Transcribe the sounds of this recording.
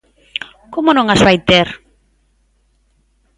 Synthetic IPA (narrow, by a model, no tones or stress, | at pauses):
komonõŋazβajt̪eɾ